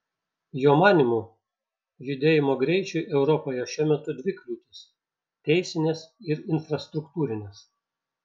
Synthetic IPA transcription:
joːmɑːnʲɪmu | jʲʊd̪ʲeːjɪmoːɡɾʲɛɪt͡ʃʲʊʔɛʊɾɔpoːjɛʃʲuɔmʲɛt̪ʊd̪ʲʋʲɪklʲuːt̪ʲɪs | t̪ʲɛɪsʲɪnʲesɪɾɪnfɾɐst̪ɾʊkt̪uːɾʲɪnʲes

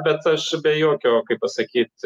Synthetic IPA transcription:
bʲɛt̪ɐʃbʲɛjoːkʲoːkɐɪppɐsɐkʲiːt̪

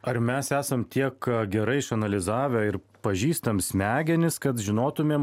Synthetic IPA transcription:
ɐɾmʲɛsæːsɐmt̪ʲiɛkɡʲɛɾɐɪɪʃɐnɐlʲɪzɑːʋʲoːɪɾ | pɐʒʲiːst̪ɐmsʲmʲæːɡʲɛnʲɪskɐt̪ʒʲɪnoːt̪ʊmʲeːm

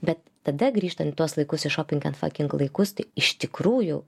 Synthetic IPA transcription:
bʲɛt̪̚ːɐd̪ɐɡɾʲiːʃt̪ɐnt̪ɪt̪uɔslˠɐɪkʊsɪʃoːpʲɪŋɡʲɛnfɐ̰kʲɪŋklˠɐɪkʊst̪ɐɪɪʃt̪ʲɪkɾuːjʊ

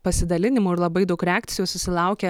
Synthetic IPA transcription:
pɐsʲɪd̪ɐlʲɪnʲɪmuːɪɾlˠɐbɐɪd̪ɐʊkɾʲɛæːkt̪sʲɪjoːsʊsʲɪlˠɑˑʊkʲɛ

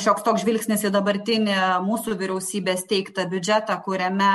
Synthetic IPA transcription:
ʃʲoːkst̪oːksʒʲʋʲɪlʲksʲnʲɪsɪd̪ɐbɐɾʲt̪ʲɪnʲɪmuːsuʋʲɪɾʲɛʊsʲiːbʲeːst̪ʲɛɪkt̪ɐbʲʊd͡ʒʲæt̪ɐkʊɾʲɛmʲɛ

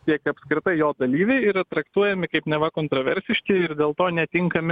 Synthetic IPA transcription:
iɛkɐpʲskɾʲɪt̪ɐɪjoːd̪ɐlʲiːʋʲɛɪiːɾɐt̪ɾɐkt̪uɔjɛmʲɪkɐɪpnʲɛʋɐkoːnt̪ɾoːʋʲɛɾʲsʲɪʃʲkʲɪɪɾd̪ʲeːlˠt̪oːnʲɛt̪ʲɪŋkɐmʲɪ

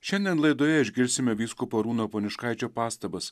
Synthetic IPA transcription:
ʃʲɛnʲd̪ʲiɛnlˠɐɪd̪oːjɛɪʒʲɡʲɪɾʲsʲɪmʲɛʋʲiːskupɐɾuːnoːpoːnʲɪʃkɑɪt͡ʃʲoːpɑːst̪ɐbɐs

